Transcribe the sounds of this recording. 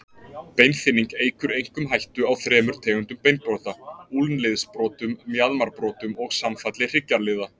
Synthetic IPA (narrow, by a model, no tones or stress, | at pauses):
pejnθɪniŋkeːjkʏɾejŋ̥kʏmɦajht̪ʏawθɾɛːmʏɾ̥t̪ʰɛːɣʏnt̪ʏmpejn̚pɾɔθaulnlɪðspɾɔːt̪ʏmːjaðmaɾpɾɔːt̪ʏmɔɣsamfat̪lɪr̥ɪcːaɾlɪða